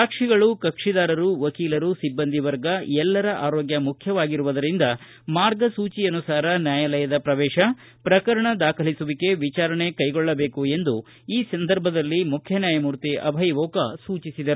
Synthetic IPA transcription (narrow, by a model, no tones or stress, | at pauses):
aːkʂiɡɐɭukɐkʂid̪aːɾɐɾuʋɐkiːlɐɾusibːɐnd̪ʱiʋɐɾɡɐɛlːɐɾɐʔaːɾoːɡjɐmukʰjɐʋaːɡiɾuʋɐd̪ɐɾind̪ɐ | maːɾɡɐsuːt͡ʃiɐnusaːɾɐnjaːjɐlɐjɐd̪ɐpɾɐʋɛːʃɐ | pɾɐkɐɾɐɳɐd̪aːkʰɐlisuʋike̞ʋit͡ʃaːɾɐɳe̞kɐjɡɔɭːɐbe̞ːkue̞nd̪u | iːsɐnd̪ɐɾbʱɐd̪ɐlːimukʰjɐnjaːjɐmuːɾt̪iʔɐ̰bʱɐjʋoːkɐ̰suːt͡ʃisid̪ɐɾu